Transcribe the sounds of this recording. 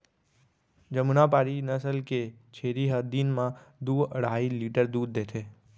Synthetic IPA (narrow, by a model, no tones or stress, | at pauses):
d͡ʒəmunapaːɾinəsəlket͡ʃʰeːɾiɦəd̪inmãd̪uːəɽaːiliʈəɾd̪uːd̪̚ːeːt̪ʰeː